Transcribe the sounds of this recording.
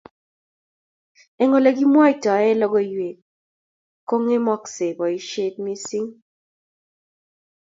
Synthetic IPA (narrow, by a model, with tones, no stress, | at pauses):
ɛ˨ŋo˨le˨˦ɡi˦mwɔ˦i˨tɔ˨ɛ˦lɔ˦ɡɔ˦˨jwe˨k | kːo˦ŋe˦mɔ˦kse˨bɔ˨i˦ʃe˦t̚mi˦si˦ŋ